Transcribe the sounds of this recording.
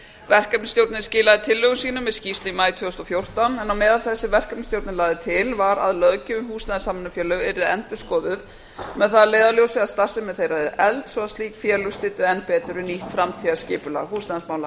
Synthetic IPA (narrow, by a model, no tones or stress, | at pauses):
vɛr̥kapnɪst̪jowɾt̪nɪscɪːlaðɪt̪ʰɪlːœɣʏmsiːnʏmːɛðscist̪limaːjt̪ʰœʏst̪ɔfjowr̥t̪anɛnːawmɛːðalθɛsːɪvɛr̥kœpnst̪jowɾt̪nɪlaːðɪt̪ʰɪlvaɾa̰ðlœðcɪʏmhuːsnaðansamanafjɛːlʏɣɛɾðɪɛ̰nt̪ʏskɔːðʏð | mɛðθaðleːjðaljowsɪɣaðst̪ar̥sɪmɛðθejɾaɛɾʔɛlt̪sɔaðsliːkfjɛːlʏst̪ɪːt̪ʏɛn̚pɛːt̪ʏɾʏniht̪fɾamt̪ʰiːɣascɪːpʏla̰ɦuːsnaðnsmaːwla